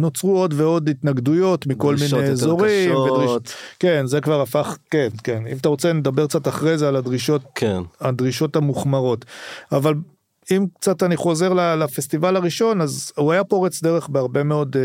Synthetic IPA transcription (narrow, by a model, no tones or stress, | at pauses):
no̞t͡sʁuo̞dveo̞dit̪naɡd̪ujo̞tmikolminejezoʁimved̪ʁike̞nzekvaʁafaχkenkenimat̪aʁo̞t͡sened̪abeʁk̚t͡sat̪aχʁejzealadʁiʃot̚kenadʁiʃo̞thamuχmaʁo̞taval | imkt͡sataniχo̞ze̞ʁlalafestivalaʁiʃo̞nazuajapo̞ʁet͡sdeʁeχbeaʁbe̞me̞o̞d